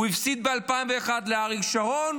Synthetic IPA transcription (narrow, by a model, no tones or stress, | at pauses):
uifsit̪̚bealpaiɱve̞ːχad̪leaʁiɡʃaon